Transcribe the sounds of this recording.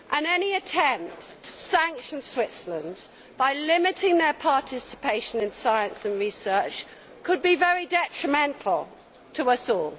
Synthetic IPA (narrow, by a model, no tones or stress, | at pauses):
ʔə̃nɛniɨtʰɛ̃mp̚ttʰə̥sæ̃ŋkʃə̃nswɪtsələ̃nd | b̥aɪlɪmɪtɪ̃ŋðə˞pʰɑˑtʰɪsɪ̥pʰeɪʃə̃nɨ̃nsaɪə̃nsə̃nɹisɜˑ˞t͡ʃ | kʰəd̚bivɛɹidɛtɹ̥əmɛ̃ntʰˡl̩ˠ | tʰəʌsɔːlˠ